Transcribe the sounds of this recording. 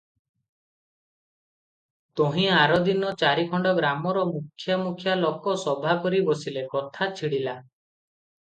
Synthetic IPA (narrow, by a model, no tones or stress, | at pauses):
t̪oɦĩaɾɔd̪inɔt͡ʃaɾikʰɔɳɖɔɡɾamɔɾɔmukʰːjamukʰjalɔkɔsɔbʱakɔɾibɔsilekɔt̪ʰat͡ʃʰiɽila